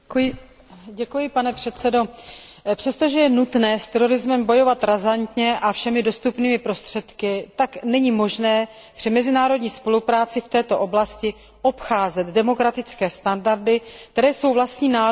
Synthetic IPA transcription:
ɟɛkujɪpanɛpr̥ɛt̪t͡sɛdo̞pr̥ɛst̪o̞ʒɛjɛnut̪nɛːst̪ɛɾo̞ɾɪzmɛmbo̞jo̞vat̪ɾazant̪ɲɛʔafʃɛmɪdo̞st̪upniːmɪpɾo̞st̪r̝̥ɛt̪kɪt̪aknɛɲimo̞ʒnɛː | pr̥ɪmɛzɪnaːɾo̞dɲiːspo̞lupɾaːt͡sɪft̪ɛːt̪o̞ʔo̞blascɪ | ʔo̞pxaːzɛt̪dɛmo̞kɾat̪ɪt͡skɛːst̪andaɾdɪkt̪ɛɾɛːso̞wvlast̪ɲiːnaː

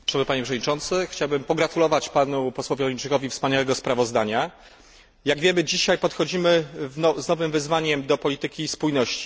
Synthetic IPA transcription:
ʂɛmɘpaɲepʂɛvd̪ɲit͡ʂɔnt̪sɘxt͡ɕawbɘmpɔɡɾat̪ulɔvat͡ɕpanupɔswɔvʲilɔint͡ʂɘkɔvʲifspaɲawɛɡɔspɾavɔzd̪aɲa | jaɡvʲjɛmɘd͡ʑiɕajpɔt̪xɔd͡ʑimɘnɔznɔvɘmvɘzvaɲɛmd̪ɔpɔlʲit̪ɘkʲispujnɔɕt͡ɕi̥

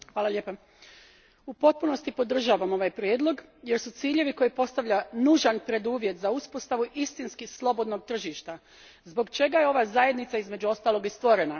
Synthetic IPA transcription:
xʋaːlaʎʲepa | upo̞t̪̚puno̞st̪ipo̞d̪r̩ʒaːʋamo̞ʋajpɾʲjeːd̪lˠo̞ɡje̞ɾsut̪siːʎe̞ʋiko̞jipo̞st̪aʋʎanuːʒanpɾe̞d̪uːʋje̞t̪zauspo̞st̪aʋuʔist̪inskislˠo̞bo̞d̪no̞ɡ̚t̪r̩ʒiʃt̪a | zbo̞ɡt͡ʃe̞ɡajeo̞ʋazaje̞d̪nit̪saizme̞d͡ʑuo̞st̪aːlˠo̞ɡist̪ʋo̞ɾena

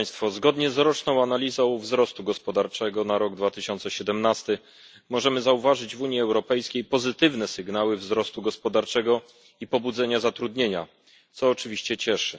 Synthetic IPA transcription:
st̪fɔzɡɔd̪ɲɛzɾɔt͡ʂnɔ̃w̃analʲizɔ̃w̃vzɾɔst̪uɡɔspɔd̪aɾt͡ʂɛɡɔnaɾɔɡd̪vat̪ɘɕɔnt̪sɛɕɛd̪ɛmnast̪ɘ | mɔʐɛmɘzauvaʐɘd͡ʑvuɲiɛwɾɔpɛjskʲejpɔzɘt̪ɘvnɛsɘɡnawɘvzɾɔst̪uɡɔspɔd̪aɾt͡ʂɛɡɔ | ipɔbud̪zɛɲazat̪ɾud̪ɲeɲa̰ | t̪sɔːt͡ʂɘvʲiɕt͡ɕɛt͡ɕɛʂɘ

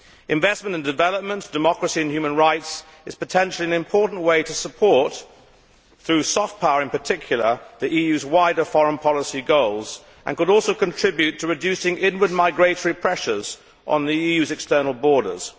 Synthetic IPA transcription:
ʔɨ̃ɱvɛsmə̃ntɨ̃ndɨvɛlˠəp̚mə̃nd̥ɨmɑkɹəsiɨ̃nhjʉmə̃nɹaɪts | ɨz̥pətʰɛ̃nʃl̩ˠiɨ̃nɨ̃mpʰɔɹʔn̩ʔweɪɾəsəpʰɔɹt̪̚ | θɹʉsɔft̚pʰaʊəɹɨ̃npə˞tʰɪkʰjl̩ˠə˞ðiʔijʉzwaɪɾə˞fɑɹə̃npʰɑlˠəsiɡoʊlˠz | ʔə̰̃nkəɾɔlˠsoʊkə̃ntʰɹ̥ɪbjʉtʰəɹɨdʉsɪ̃ŋʔɪ̃nwə˞d̚maɪɡɹeɪɾə˞ipʰɹ̥ɛʃə˞z | ʔn̩ðiijʉzɨkstɜ˞nl̩ˠbɔɹɾə̰z̥

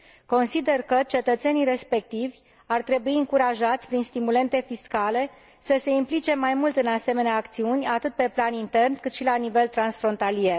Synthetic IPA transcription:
ko̞nsid̪e̞rkət͡ʃe̞t̪ət̪se̞nijɾe̞spe̞k̚t̪ivʲ | art̪ɾe̞buiɨŋkuɾaʒat̪sʲpɾinst̪imule̞nt̪e̞fiskale̞ | səse̞implit͡ʃe̞majmult̪ɨnase̞me̞neaːkt̪siunʲat̪ɨt̪̚pe̞planint̪e̞rnkɨt̪ʃilanive̞lt̪ɾansfɾo̞nt̪alije̞r

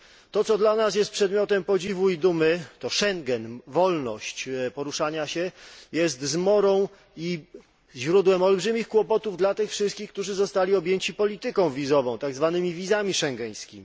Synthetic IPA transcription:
t̪ɔt̪sɔd̪lanasjɛst̪pʂɛd̪mʲjɔt̪ɛmpɔd͡ʑivuid̪umɘt̪ɔʂɛŋɡɛnvɔlnɔ̰ɕt͡ɕpɔɾuʂaɲaɕɛjɛst̪zmɔɾɔ̃w̃ | i | ʑɾud̪wɛmɔlbʐɘmʲixkwɔpɔt̪uvd̪lat̪ɘxfʂɘst̪̚kʲixk̚t̪uʐɘzɔst̪alʲiɔbʲjeɲt͡ɕipɔlʲit̪ɘkɔ̃w̃vʲizɔvɔ̃w̃t̪aɡzvanɘmʲivʲizamʲiʂɛŋɡɛj̃skʲimʲi

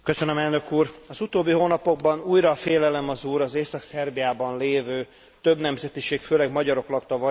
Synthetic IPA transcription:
kø̞sønømɛlnø̞kuːrɒzut̪oːbːiɦoːnɒpo̞ɡ̚bɒnuːjɾɒfeːlɛlɛmɒzuːɾɒzeːsɒksɛrbijaːbɒnleːvøː | t̪øbnɛmzɛt̪iʃeːkføːlɛɡmɒɟɒɾo̞klɒkt̪ɒvɒ

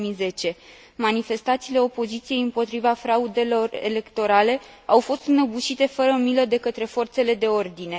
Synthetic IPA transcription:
mize̞t͡ʃe̞ | manife̞st̪at̪siːle̞o̞po̞zit̪sije̞jɨmpo̞t̪ɾivafɾaud̪e̞lo̞re̞̰le̞kt̪o̞ɾale̞awfo̞st̪nəbuʃit̪e̞fəɾəmiləd̪e̞kət̪ɾe̞fo̞rt̪se̞le̞d̪e̞o̞rd̪ine̞

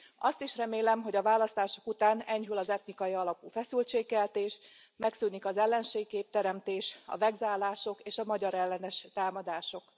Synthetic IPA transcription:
ɒst̪iʃrɛmeːlɛmɦo̞ɟɒvaːlɒst̪aːʃo̥kut̪aːnɛɲhylɒzɛt̪nikɒjiɒlɒpuːfɛsylt͡ʃeːkkːɛlt̪eːʃ | mɛksynikɒzɛlːɛnʃeːɡkeːp̚t̪ɛɾɛmt̪eːʃɒ̰vɛɡzaːlːaːʃo̞keːʃɒmɒɟɒɾɛlːɛnɛʃt̪aːmɒd̪aːʃo̞k

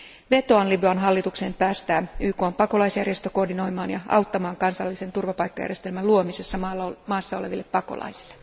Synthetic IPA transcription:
ʋe̞t̪o̞ɑnlibyɑnɦɑlːit̪ukse̞ːmpæːst̪æːyːko̞ːmpɑko̞lɑisjærje̞st̪øko̞rdino̞jmɑːnjɑɑ̰wt̪ːɑmɑːŋkɑnsɑlːise̞nt̪urʋɑpɑjkːɑjæ̰rjest̪e̞lmæluomise̞sːɑmɑːsːɑo̞le̞ʋilːepːɑko̞̰lɑ̰jsi̥lːe

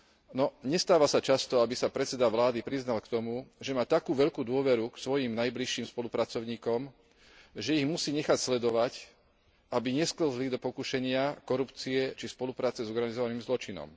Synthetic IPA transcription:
nɔɲɛst̪aːʋasat͡ʃast̪ɔabisapɾɛtt͡sɛd̪aʋlaːd̪ipɾiznalkt̪ɔmuʒɛmaːt̪akuːʋɛʎkuːd̪ʊɔʋɛɾuksʋɔjimnajbliʃːiːmspɔlupɾat͡sɔʊɲiːkɔm | ʒɛiɣmusiːɲɛxacslɛd̪ɔʋac | abiɲɛskl̩zlid̪ɔpɔkuʃɛɲɪakɔɾupt͡siɛt͡ʃispɔlupɾaːt͡sɛzɔɾɡanizɔʋaniːmzlɔt͡ʃinɔ̰m

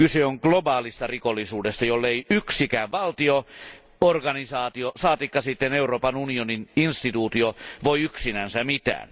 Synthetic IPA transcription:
kyseoŋklobɑːlist̪ɑrikolːisuːdest̪ɑjolːeiyksikæːʋʋɑlt̪io | orɡɑnisɑːt̪iosɑːt̪ikːɑsit̪ːeneuroːpɑnunionininst̪it̪uːt̪ioʋoiyksinænsæmit̪æ̰ːn

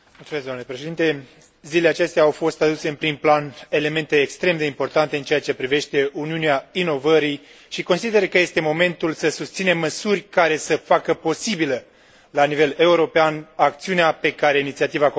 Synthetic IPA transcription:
mult̪umesɡd̪onulepɾeʃe̞d̪int̪e̞ | zileleat͡ʃe̞st̪eaːwfo̞st̪ad̪use̞ɨnpɾimplane̞le̞me̞nt̪e̞ːkst̪ɾe̞md̪e̞impo̞rt̪ant̪eɨnt͡ʃeat͡ʃe̞pɾive̞ʃt̪e̞uniuneaino̞vəɾi | ʃiko̞nsid̪e̞ɾəkəje̞st̪e̞mo̞me̞nt̪ulsəsust̪sine̞mːəsurʲkaɾe̞səfakəpo̞sibilə | lanive̞le̞uɾo̞peanakt̪siuneape̞kaɾe̞init̪siat̪iva

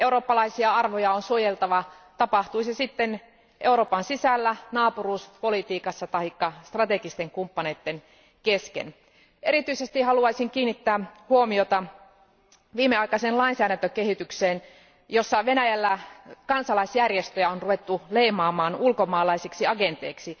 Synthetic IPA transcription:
euɾoːpːɑlɑisiɑɑrʋojɑonsuojelt̪ɑʋɑt̪ɑpɑht̪uisesit̪ːen | ʔeuɾo̞ːpɑnsisælːænɑːpuruːspo̞lit̪iːkɑsːɑt̪ɑikːɑst̪rɑt̪eɡist̪eŋkumpːɑneːt̪ːen | keskḛn | ʔeɾit̪yisest̪ihɑluɑisiŋkiːnːit̪ːæːhuomiot̪ɑ | ʋiːmːeɑikɑsenlɑinsæːɾænt̪økehit̪ykseːn | josːɑʋenæjælːækɑnsɑlɑisjærjest̪øjæonruʋet̪ːuleimɑːmɑːnulkomɑːlɑisiksiɑɡent̪eiksi

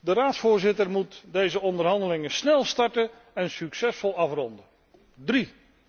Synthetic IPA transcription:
dəraːtsfʊːɹzɪtərmutdejzəɔndərɦɑndəlɪŋəsnɛlˠstɑɹtə | ɛnsyksɛsfɔlˠɑfrɔndə | dri

